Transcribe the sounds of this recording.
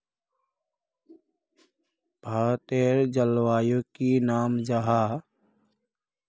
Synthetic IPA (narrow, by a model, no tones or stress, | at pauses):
b̥ʱaːt̪eːɾd͡ʒəlwaːjokinaːmd͡ʒaɦa